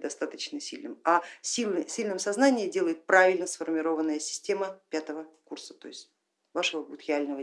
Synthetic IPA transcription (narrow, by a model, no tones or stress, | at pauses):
d̪ɐst̪at̪ət͡ɕnəsʲilʲnɨmasʲilʲsʲilʲnɨmsɐznanʲɪjɪdʲe̞lˠəjɪt̪̚pɾavʲɪlʲnəsfərmʲɪɾo̞vənːəjəsʲɪ̥sʲtʲe̞məpʲat̪əvəkursə̥t̪o̞̰ɪsʲtʲ | vaʂəvəbut̪ɾʲɪalʲnəvə